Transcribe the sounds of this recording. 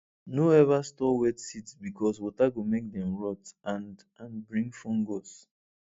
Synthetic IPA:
noɛvastɔwɛdsitsbikɔs̬wɔtaɡomek̚dɛ̃mɹɔtãn | ãnbɹĩŋfɔ̃ŋɡɔs

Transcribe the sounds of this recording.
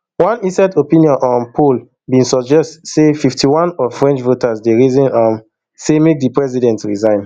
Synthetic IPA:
wãnisɛtopĩnjɔ̃nʔɔ̃npʰol | bĩnsɔd͡ʒɛstsefiftʰiwãnɔvfɹɛ̃nt͡ʃvotasdeɹizĩnam | semek̚dipɹɛzidɛ̃ntɹizãɪ̃n

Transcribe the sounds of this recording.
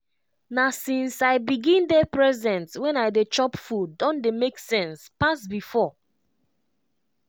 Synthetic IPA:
nasĩnsaɪbiɡĩndɛpɹɛzɛ̃ntwɛ̃naɪdet͡ʃɔpfuːɔ̃ndemeksɛ̃nspasbifɔ

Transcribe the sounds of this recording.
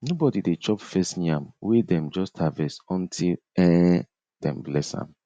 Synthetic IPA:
nobɔdidet͡ʃɔpfɛstniãmwidɛ̃md͡ʒɔstʰavɛsɔ̃ntʰil | ɛ̃ | d̥ɛ̰̃mblɛshã̰m

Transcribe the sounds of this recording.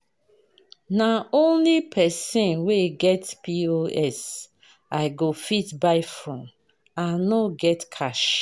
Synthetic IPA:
naõnlipʰɛsẽnweɡɛtpioɛs | aɪɡofitbaɪfɹɔ̃m | ãnoɡɛtkʰaʃ

